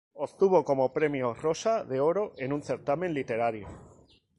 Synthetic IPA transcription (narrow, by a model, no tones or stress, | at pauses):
ost̪uβ̞o̞ko̞mo̞pɾe̞mjoro̞saðeoɾo̞ʔe̞nunθe̞ɾt̪amenlit̪e̞ɾaɾjo̰